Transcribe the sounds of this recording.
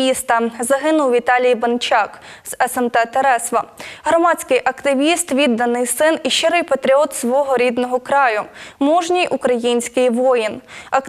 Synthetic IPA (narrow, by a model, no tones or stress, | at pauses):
ist̪ɐzɐɦɪnʊwʋʲit̪ɑlʲijbɐnt͡ʃɑk | z̥ɛsɛmt̪ɛt̪eɾɛsʋɐɦɾɔmɑt͡sʲkɪjʔɐkt̪ɪʋʲist̪ʋʲid̪ːɐnɪjsɪniʃɪɾɪjpɐt̪ɾʲiɔt̪sʋɔɦɔɾʲid̪nɔɦɔkɾɑjʊmuʒnʲijʔukɾɐjinʲsʲkɪjʋɔjinɐk